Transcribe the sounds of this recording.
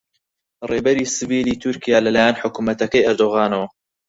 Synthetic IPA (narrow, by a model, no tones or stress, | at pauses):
reːbɐɾisɨviːliːt̪ʰʊɾkʰijaːlɐlaːjanħʊkumɐt̪ɐkɐjɐɾd̪oɣaːnɐwɐ